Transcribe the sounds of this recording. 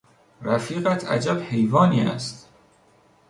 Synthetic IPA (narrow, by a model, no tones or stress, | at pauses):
ɾæfiːɣæt̪ʰæ̰d͡ʒæbhe̞jvɒːniːæ̰st̪